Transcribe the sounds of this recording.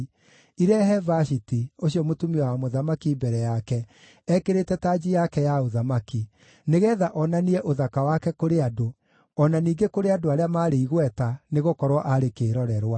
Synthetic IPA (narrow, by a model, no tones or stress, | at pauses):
iɾɛɦɛvaʃitioɕiɔmotumiɔwamoðamakibɛɾɛjakɛ | ɛkeɾetɛtad͡ʑijakɛjaoðamaki | neɣɛːðaʔɔnaniɛʔoðakawakɛkoɾeado | ɔnaniːŋɡekoɾeadoaɾeamaɾeiɣwɛtaneɣokɔɾwɔʔaɾekeːɾɔɾɛɾwa